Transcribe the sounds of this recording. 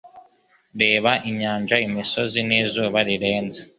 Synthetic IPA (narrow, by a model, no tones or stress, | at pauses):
ɾe̞ːβaʔiɲaːɲd͡ʒaimiso̞ziniːzoβaɾiɾeːnza